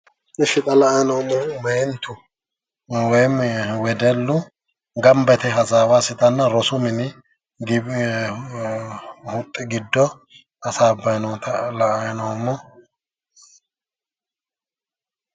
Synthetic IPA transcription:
ɪʃɪt̪ʼɐlɐɐnɔwmːɔmɛjnt̪ʰʊ | wɔjmwɛd̪ɛlːʊ | ɡɐmbɛt̪ɛhɐzaːwasɪt̪ʼɐnːɐɾɔsʊmɪnɪ | ɡɪ | hʊt̪ʼːɪɡɪd̪ːɔ | ɐsaːbːɐjnɔt̪ɐlɐʔɐjnɔwmːɔ

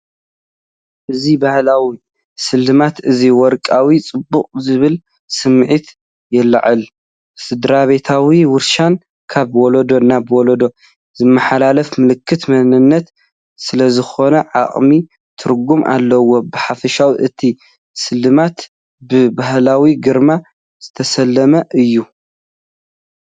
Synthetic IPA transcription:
ʔɨzibahlawi | sɨlːɨmat̪ʔɨziwɔɾkʼawit͡sʼɨbːuqʼzɨβɨl | sɨmʕit̪ | jɛlːa̰ʕɨl | sɨd̪ɾaβe̞t̪ʰawiwʊɾʃan | kʰaβwɔlod̪o̞nːabwɔlod̪o̞ | z̥ɨmːɐħalalɐfmɨlɨkʰːɨt̪mɐnɨnːɐt̪ | sɨlɐzɨxo̞nɐʕa̰χʼmi | t̪ʰɨɾɡumʔa̰lːɐwo̞bɨħafɐʃawiʔɨt̪ʰi | sɨlːɨmat̪ | bɨbahlawiɡɨɾma | z̥ɨt̪ʰɐsɐlːɐmɐʔɨjːu

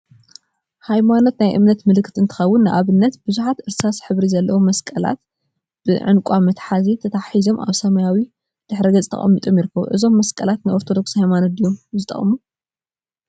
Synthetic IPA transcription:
hajmanot̪najʔɨ̰mnɐt̪mɨlɨkʰːɨ̥t̪ɨnt̪ʰɨ̥xɐwːʊnːɨʔaβɨnːɐt̪bɨzuħat̪ʔɨɾsasħɨβɾizɐlːɐwomɐskʼɐla̰t̪ | b̥ɨʕɨ̰nkʷʼamɐt̪ħazit̪ʰɐt̪ʰaħizo̞mʔa̰βsɐmajawi | d̪̥ɨħɾiɡɐzʼt̪ʰɐ̰χʼɐ̰mːit̪ʼo̞mjɪɾɨkʰːɐβṵʔɨzo̞mːɐskʼɐlat̪najʔo̞ɾt̪ʰod̪o̞kshajmanod̪ijomzɨt̪ʼɐ̰mu

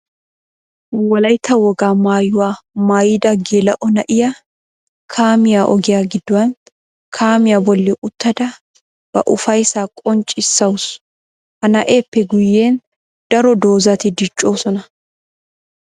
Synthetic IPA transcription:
wɐlɐjt̪ʰɐwɔɡaːmaːjʊwaːmaːjɪd̪ɐɡeːlɐʔɔnɐʔɪjɐ | kʰaːmɪjaʔɔɡɪjaɡɪd̪ːʊwɐn | kʰaːmɪjabɔlːɛʔʊt̪ːɐd̪ɐ | b̥ɐ̰ʔʊfɐjsaːkʼɔnt͡ʃʼɪsːɐwʊs | hɐnɐʔeːpːɛɡʊjːe̞ːn | d̪̥ɐɾɔd̪oːzɐt̪ɪd̪ɪt͡ʃʼːoːsɔnɐ

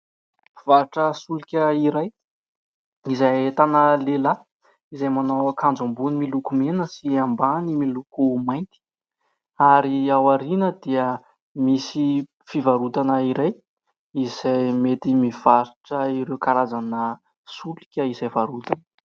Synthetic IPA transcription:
v̥aɾʈ͡ʂəsulikʲəiɾaj | izajet̪anəlela | izajmanawkʰand͡zambunimilukumenəsiambanimilukumajnt̪i̥ | aɾiawaɾinəd̪̥iə | misi | fivaɾut̪anəiɾaj | izajmet̪imiv̥aɾiʈ͡ʂəiɾewkaɾazanə | sulikʲəizajvaɾut̪anə̥

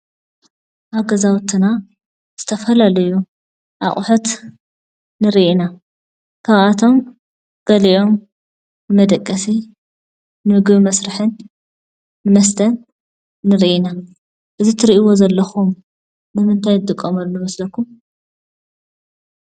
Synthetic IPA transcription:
ʔaβɡɐzawt̪ʰːɨna | z̥ɨt̪ʰɐfɐlalɐju | ʔa̰χʼʊħut̪ | nɨɾiʔina | kʰaβat̪ʰo̞m | ɡ̥ɐliʔo̞m | nɨmɐd̪ɐkʼːɐsi | nɨmɨɡɨβmɐsɾɨħɨnː | ɨmɐs̬t̪ʰɐnː | ɨɾiʔina | ʔɨzit̪ʰɨɾiʔiwo̞zɐlːɐxum | bɨmɨnt̪ʰajnɨt̪ʼɨkʼːɐmɐlːumɐslɐkʰːum

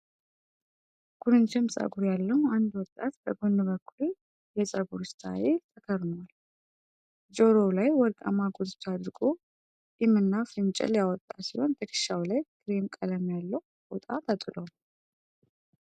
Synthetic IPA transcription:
ɡ̥ʰuɾɨnt͡ʃʰɨmsʼa̰ɡuɾjalːəhand̪wɔt̪ʼːat̪bəɡonːɨβəkʰːulu | jɛsʼəɡuɾɨst̪ʰa̰ʔet̪ʰʼəkʰəɾnəwal | d͡ʒoɾolajwɔɾkʼa̰maɡod̪t̪ʰad̪ɾɨɡʼo | imɨnːafɨnt͡ʃʼɛ̰ljawɔt̪ʼːasiho̞nt̪ʰəkʰɨ̥ʃawlajkʰɨɾemkʼələmjalːəw | bot̪ʼat̪ʰət̪ʼɨlow

